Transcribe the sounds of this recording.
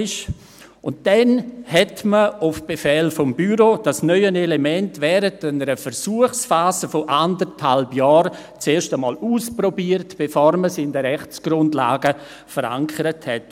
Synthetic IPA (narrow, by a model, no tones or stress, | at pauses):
ɪʃ | ʊnt̚d̥ɛnhɛtməʊfb̥efɛlfɔmbyɾod̥asnœʏənelemɛntvɛːɾətanəɾəfəɾsuəχsfaːzəfoʔandəɾthalbjɑːɾ | t͡seːʃtəmɔ̰ːluːspɾɔbiːəɾtb̥efoːɾməsɪndəɾɛχt͡sɡ̥ɾʊndla̰ːɡə | fəɾa̰ŋkʰəɾəthɛt